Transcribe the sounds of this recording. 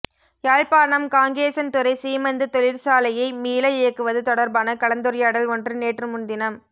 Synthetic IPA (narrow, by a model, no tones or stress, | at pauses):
jaːɻpaːnɐmkaːŋɡeːsɐnt̪ɯɾɐɪsiːmɐnd̪ɯt̪ɔɭɪɾsaːlɐjɐɪmiːlɐjɪjɐkːɯʋɐðɯt̪ɔɽɐɾbaːnɐkɐɭɐnd̪ɯɾɪjaːɽɐlɔndrɯneːʈrɯmʊnd̪ɪnɐm